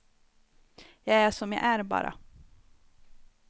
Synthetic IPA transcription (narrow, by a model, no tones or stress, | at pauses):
jɑɡæʂɔmja̰ʔæɾbɑ̰ːɾa̰